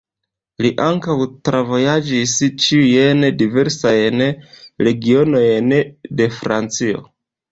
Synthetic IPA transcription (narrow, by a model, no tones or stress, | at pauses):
liʔaŋkawtɾʔavo̞jad͡ʒist͡ʃiujendive̞ɾsajnɾe̞ɡio̞no̞jnde̞fɾant͡sio̞̰